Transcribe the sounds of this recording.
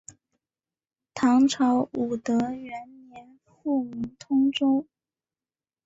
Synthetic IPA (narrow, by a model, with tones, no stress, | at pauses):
t̪ʰɑ˧˥ŋʈ͡ʂʰɑ˧˥ʊu˨˩t̪ɤ˧˥ɥɛ˧˥nnjɛ˧˥n | fu˥˩mu˧˥ŋt̪ʰʊ˥ŋʈ͡ʂʊ˥ŋ